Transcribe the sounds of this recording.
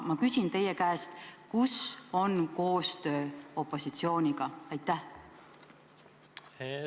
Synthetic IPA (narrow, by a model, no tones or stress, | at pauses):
mɑkysʲint̪e̞jekæest̪kuso̞nko̞ːst̪ø̞ːo̞pˑːo̞sit̪sio̞ːnʲiɡ̥ɑɑjt̪ːˑæh